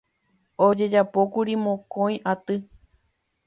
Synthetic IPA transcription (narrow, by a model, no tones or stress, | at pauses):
od͡ʒe̞d͡ʒapokuɾimõkõj̃ʔat̪ɨ